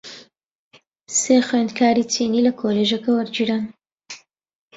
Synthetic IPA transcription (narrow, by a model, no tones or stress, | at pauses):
seːxwend̪kʰaːɾiːtʰeːniːlɐkʰoːleʒɐkɐwɐɾd͡ʒiːɾaːn